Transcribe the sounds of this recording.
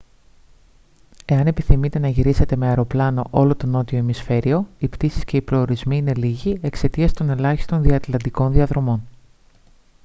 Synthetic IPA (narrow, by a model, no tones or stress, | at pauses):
e̞ɐne̞piθimit̪e̞nɐʝiɾise̞t̪e̞me̞ɐɾo̞plɐno̞ʔo̞lo̞t̪o̞no̞t̪io̞emisfe̞ɾio̞ipt̪isi̥sce̞ipɾo̞ːɾizmiine̞liʝie̞kse̞t̪iɐst̪o̞ne̞lɐçi̥st̪o̞nðiɐt̪lɐnd̪iko̞nðiɐðɾo̞mo̞n